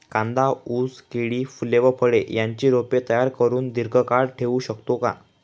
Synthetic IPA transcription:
kãnd̪auskeɽiːfuleʋəpʰəɽeʔjaɲt͡ɕiɾopet̪əjaɾkəɾuːnd̪iɾɡʱəkaɽʈʰeʋũɕəkt̪okã̰

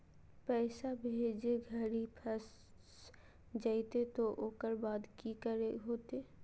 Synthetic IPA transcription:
pɛːsabʱeːd͡ʒeɡʱəɾipʰəs | d͡ʒaːit̪et̪oʔoːkəɾbaːd̪kikəɾeɦoːt̪eː

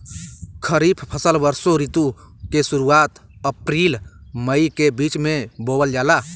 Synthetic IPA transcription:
kʰəɾiːpʰpʰəsəlbəɾsoɾit̪u | kesʊɾuaːt̪əpɾiːlməikebiːt͡ʃmẽboːbəld͡ʒaːlaː

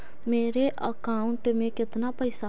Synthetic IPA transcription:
meːɾeʔəkaːʊ̃ɳʈmẽːkɪt̪naːpəɪsa

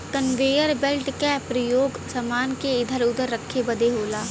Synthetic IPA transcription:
t̪ənʋeːjəɾbelʈkɛpɾəjoːɡsɐmaːnkeɪd̪ʱəɾʊd̪ʱəɾːəkʰːebɐd̪eɦoːlaː

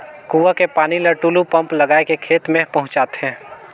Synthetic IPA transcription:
kuːʋakepaːnilɐɾʈuːlupə̃mplɐɡaːekekʰeːt̪mẽpɐɦʊ̃t͡ʃaːt̪eɦɛ̃ː

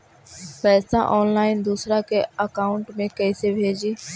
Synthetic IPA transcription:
pɛːst̪ã̰ːʔɔːnlaːɪnd̪uːsɾaːkʰeːəkaːʊɳʈmẽkɛːsebʱeːd͡ʒiː

